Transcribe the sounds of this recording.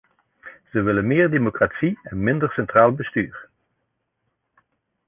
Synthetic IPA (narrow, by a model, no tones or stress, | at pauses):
z̥əʋɪlənmɪːɹdemokratsiɛnmɪndəɹsɛntraːlˠbəstyːɹ